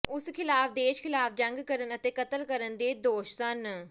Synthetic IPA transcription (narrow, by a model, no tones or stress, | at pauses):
ʊskʰɪlaːfʰd̪eːʃkʰɪlaːfʰd͡ʒəŋɡkəɾənət̪eːkət̪əlkəɾənd̪eːd̪oːʃsən